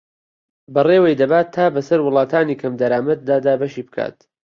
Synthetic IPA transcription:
bɐreːwejd̪ɐbaːt̪ʰːaːbɐsɐɾwʊlˠɑːt̪ʰaːniːkʰɐmd̪ɐɾaːmɐt̪̚d̪aːd̪aːbɐʃiːbɨkʰa̰ːt̪̚

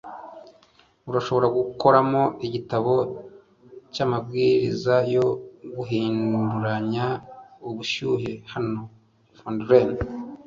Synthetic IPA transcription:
uɾaʃo̞βo̞ɾaɡuko̞ɾamo̞iɟitaβo̞ | camabɡiɾizajo̞ɡuɦiːnduɾaɲauβuʃuɦehano̞ | fondɾen

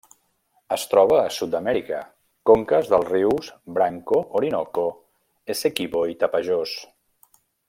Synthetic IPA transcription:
əst̪ɾɔβ̞əːsut̪̚d̪əmɛɾikə̰ | koŋkəzðəlˠriwsbɾaŋkooɾinɔko | esekiβoit̪apəʒos

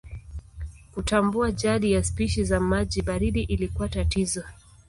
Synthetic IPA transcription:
kutambuaʄaɗijaspiʃizamaʄiɓaɾiɗiʔilikuatatizɔ

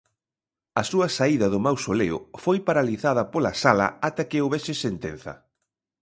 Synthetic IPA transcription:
ɐsuɐsaiðɐðʊmawsoleʊ̰fojpaɾaliθað̞ɐpolɐsalɐ̰at̪akɪowβɛsɪsent̪en̟θɐ̰

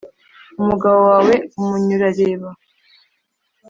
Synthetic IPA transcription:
umuɡaβowaːwe̞umuɲuɾaɾe̞ːβa

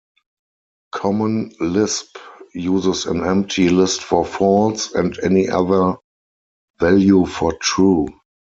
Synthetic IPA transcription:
kʰɔmə̃nlɪspjuːzəsæ̰̃nɛ̃mp̚tʰilɪstfɔfɔltsɛ̃ndɛniʔa̰ðə˞ | vɛljufɔtʰɹuː

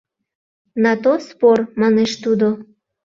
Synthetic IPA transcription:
nɑt̪ospormɑneʃt̪ud̪o

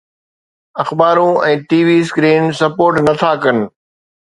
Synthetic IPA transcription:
ɐxbaːɾũɛ̃ːʈiːʋiːskɾiːnsɐpoːɾʈnɐt̪ʰakənɪ̆

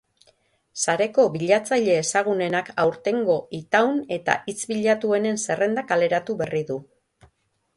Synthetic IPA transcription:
saɾe̞ko̞βiʎat͡saʎe̞ːsaɣ̞une̞nakawɾt̪e̞ŋɡo̞it̪awne̞t̪a̰ʔit͡sβiʎat̪ue̞ne̞nse̞re̞nd̪akale̞ɾat̪uβe̞riðu

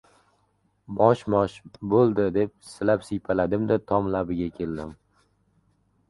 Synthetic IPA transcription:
bɒʃmɒʃbolˠd̪ɪd̪e̞p̚sɪlapsijpʰalad̪ɪmd̪at̪ʰɒmlabɪɡʲakʲʰe̞ld̪ɪm

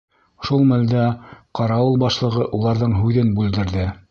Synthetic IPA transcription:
ʃulˠmæld̪æqɑɾɑɤlˠbɑʃlˠɤ̆ʁɤʔulˠɑɾðɤɴɦʉðɘnbʉld̪ɘ̆ɾðɘ

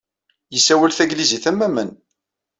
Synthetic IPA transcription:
jəsːæwælθæɡliziθæmːæmən

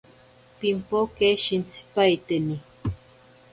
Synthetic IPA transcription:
pimpokeʃint͡si̥pajt̪eni

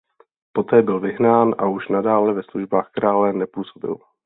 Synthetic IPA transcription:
po̞t̪ɛːbɪlvɪɦnaːnʔa̰uʃnadaːlɛvɛsluʒbaːxkɾaːlɛnɛpuːsobɪ̰l

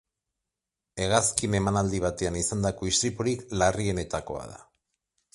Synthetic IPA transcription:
e̞ɣ̞askine̞manald̪iβ̞at̪e̞anisand̪akoist̪ɾipuɾiklarie̞ne̞t̪ako̞̰a̰ða̰

